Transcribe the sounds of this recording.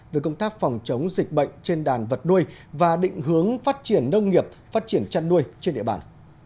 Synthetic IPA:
ve˨˩kə˧wŋ͡mt̪aː˦˥k̚fɔ˨˩wŋ͡mt͡ɕə˨˦wŋ͡mzï˨˩k̟̚ɓə̰˧˨jŋ̟t͡ɕe˧nɗaː˨˩nvə˨˩t̚nu˧əjvaː˨˩ɗḭ˧˨ŋ̟ɦɨ˨˦əŋfaː˦˥t̚t͡ɕi˧˩ənːə˧wŋ͡mŋi˨˩əp̚faː˦˥t̚t͡ɕi˧˩ənt͡ɕa˧nːu˧əjt͡ɕe˧nɗḭ˧˨əɓa̰ː˨˩n

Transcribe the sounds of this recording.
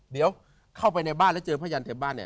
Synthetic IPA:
d̪i˨˩˦əw | kʰa˥˩wpa˧jna˧jbaː˥˩nlɛ˦˥˩t͡ɕɤː˧pʰaː˥˩ja˧nt̪ʰeː˨˩˦baː˥˩nːḭ˦˩˨

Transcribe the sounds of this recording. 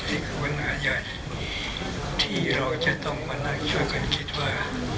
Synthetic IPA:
ni˧˩kʰːa˨˦˥nhaː˨˦ja˧˩j | t̪ʰiː˥˩ɾa˧wt͡ɕa˨ʔt̪ɔ˥˩ŋma˧na˥˩ŋt͡ɕʰa˥˩jka˧˩nkʰi˦˥t̪̚waː˥˩

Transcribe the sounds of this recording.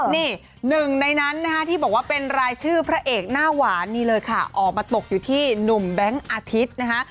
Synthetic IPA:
niː˥˩ | nɯ˨˩ŋna˧jna˦˥nːa˦˥kʰa˦˥t̪ʰiː˥˩bɔː˨˩k̚waː˥˩pe˧nɾaː˧jt͡ɕʰɯː˥˩pʰɾa˦˥ʔeː˨˩k̚naː˥˩waː˩˦niː˥˩lɤː˧jkʰa˥˩ʔɔː˨˩k̚maː˧t̪o˨˩k̚juː˨˩t̪ʰiː˥˩nu˨˩mbɛ˦˥ŋʔaː˧t̪ʰi˦˥t̪̚na˦˥kʰa˦˥ʔ

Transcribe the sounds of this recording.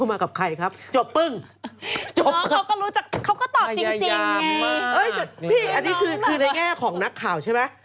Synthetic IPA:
maː˧ka˨˩p̚kʰa˧jkʰa˦˥p̚t͡ɕo˨˩pːɯ˥˩ŋ | t͡ɕo˨˩kʰkɔː˥˩ɾuː˦˥t͡ɕa˨˩k̚ʰːa˦˥wkɔː˥˩t̪ɔː˨˩t͡ɕi˧ŋ˧t͡ɕi˧ŋʔɤ˦˥˩jpʰiː˥˩ʔa˧nːiː˦˥kʰɯː˧kʰɯː˧na˧ŋɛː˥˩kʰɔː˩˦ŋna˦˥kʰːaː˨˩wt͡ɕʰa˥˩jma˦˥

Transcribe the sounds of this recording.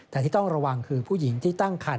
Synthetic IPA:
t̪ɛː˨˩t̪ʰiː˥˩ɔ˥˩ŋɾa˧wa˧ŋkʰɯː˧pʰuː˥˩ji˩˦ŋt̪ʰiː˥˩t̪a˥˩ŋkʰa˧˩n

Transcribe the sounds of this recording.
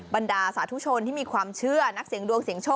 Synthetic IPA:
ba˧ndaː˧saː˩˦t̪ʰu˦˥t͡ɕʰo˧nt̪ʰiː˥˩miː˧kʰwaː˧mt͡ɕʰɯ˥˩ɐna˦˥k̚si˩əŋdu˧əŋsi˨˩˦əŋt͡ɕʰoː˥˩

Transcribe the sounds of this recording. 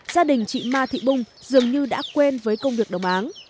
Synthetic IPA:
zaː˧ɗï˨˩ŋ̟t͡ɕḭ˧˨maː˧t̪ʰḭ˧˨ɓʊ˧ŋ͡mz̥ɨ˨˩əŋɲɨ˧ɗa̰ː˧˥kwe˧nvəː˨˦jkə˧wŋ͡mvi˨˩ək̚ɗə˨˩wŋ͡mʔaː˨˦n

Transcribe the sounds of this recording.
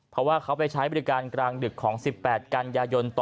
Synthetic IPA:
pʰɾɔ˦˥waː˥˩kʰa˦˥wpa˧jt͡ɕʰaː˦˥jbɔ˨˩i˦˥kaː˧nkɾaː˧ŋdɯ˨˩kʰːɔː˩˦ŋsi˨˩pːɛː˨˩t̪̚ka˧njaː˧jo˧nt̪ː

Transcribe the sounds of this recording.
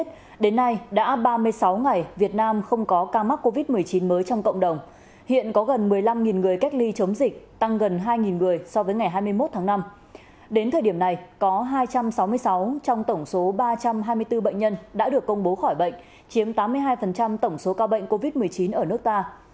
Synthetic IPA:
t̚ | ɗe˨˦nːa˧jɗa̰ː˧˥ɓaː˧mɨ˧əjsa˨˦wŋa˨˩jvi˨˩ət̚naː˧mxə˧wŋ͡mkɔ˨˦kaː˧ma˦˥ko˧vi˦˥t̚mɨ˨˩əjt͡ɕi˨˦nməː˨˦jt͡ɕɔ˧wŋ͡mkə̰˧˨ŋ͡mɗə˨˩wŋ͡m | hḭ˧˨ənkɔ˨˦ɣə˨˩nmɨ˨˩əjla˧mŋi˨˩nŋɨ˨˩əjka˦˥k̚li˧t͡ɕə˨˦wŋ͡mzï˨˩k̟̚t̪a˧ŋɣə˨˩nɦaː˧jŋi˨˩nŋɨ˨˩əjsɔ˧vəː˨˦jŋa˨˩jɦaː˧jmɨ˧əjmo˦˥t̪̚ʰaː˨˦ŋna˧m | ɗe˨˦nt̪ʰəː˨˩jɗi˧˩əmna˨˩jkɔ˨˦ɦaː˧jt͡ɕa˧msa˨˦wmɨ˧əjsa˨˦wt͡ɕɔ˧wŋ͡mt̪ə˧˩wŋ͡mso˨˦ɓaː˧t͡ɕa˧mɦaː˧jmɨ˧jt̪ɨ˧ɓə̰˧˨jŋ̟ɲə˧nɗa̰ː˧˥ɗɨ˨˩əkːə˧wŋ͡mɓo˨˦xɔ˧˩jɓə̰˧˨ŋ̟ | t͡ɕi˨˦əmt̪aː˨˦mːɨ˧əjɦaː˧jfə˨˩nt͡ɕa˧mt̪ə˧˩wŋ͡mso˨˦kaː˧wɓə̰˧˨jŋ̟ko˧vi˦˥t̚mɨ˨˩əjt͡ɕi˨˦nʔəː˧˩nɨ˦˥ək̚t̪aː˧

